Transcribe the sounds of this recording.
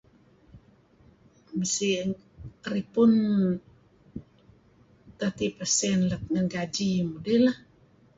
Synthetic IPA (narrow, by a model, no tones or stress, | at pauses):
məsi | ripʊn | t̪at̪ipasɛnlət̚ŋənɡad͡ʒimudɛlah